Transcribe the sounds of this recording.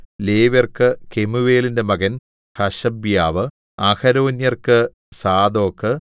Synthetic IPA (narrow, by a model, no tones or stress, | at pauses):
leːʋɐrkɨkemuʋeːlinde̞mɐɣɐn | hɐɕɐbjaːʋɨ | ɐxɐɾoːnjɐrkɨ | saːd̪o̞ːkːɨ